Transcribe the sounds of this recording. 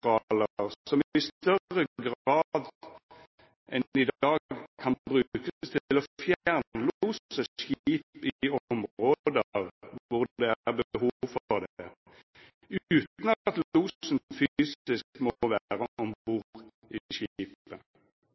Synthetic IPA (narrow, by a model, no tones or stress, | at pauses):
ʁɑːləʁsɔmɪst̪œʁəɡʁɑːd̪ | ʔɛnɪd̪ɑːɡɡkʰɑnbʁʉkəst̪ʰɪlɔfjæʁnluːsəʃiːpɪɔmʁoːd̪əʁʋʊʁd̪ɛæʁbəhuːʋfɔd̪ | ʉːt̪nɑt̪luːsnfyyːsɪskmɔʋæːʁəʔɔmbuːʁ | ʔɪɕiːiːpə